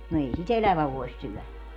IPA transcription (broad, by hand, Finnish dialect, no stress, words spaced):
no ei sit elæʋæ ʋoi̯s syœˑlæ